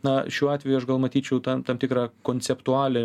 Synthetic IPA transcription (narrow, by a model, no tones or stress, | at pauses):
nɐʃʲuɔɑːt̪ʲʋʲɛjuɐʃɡɐlˠmɐt̪ʲiːt͡ʃʲɛʊt̪ɐmt̪ɐːmt̪ʲɪkɾɑːkoːnʲt͡s̪ʲɛpt̪ʊɑːlʲɛ